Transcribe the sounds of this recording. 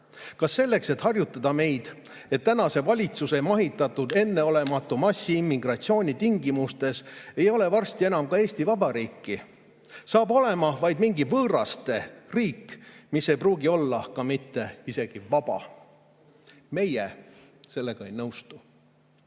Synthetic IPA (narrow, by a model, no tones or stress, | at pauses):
kɑsːe̞lːe̞kse̞t̪hɑrjut̪ːˑɑd̪ɑme̞jd̪̥ | e̞t̪ːænɑse̞vɑlʲit̪suse̞mɑɦit̪ːˑɑt̪ːˑud̪̥e̞nːe̞o̞le̞mɑt̪ːˑumɑsːiimːiɡrɑt̪sio̞ːnʲit̪iŋɡimust̪e̞se̞jo̞le̞vɑrst̪ie̞nɑmkɑe̞ːst̪ivɑbɑɾiːkːi | sɑːbo̞le̞mɑvɑjd̪miŋɡivɤːɾɑst̪e̞riːkːmisːe̞jpruːɡio̞lːɑkɑmit̪ːe̞ise̞ɡ̥ivɑb̥ɑ̰ | me̞jḛ | se̞lːe̞ɡ̥ɑe̞jnɤwst̪u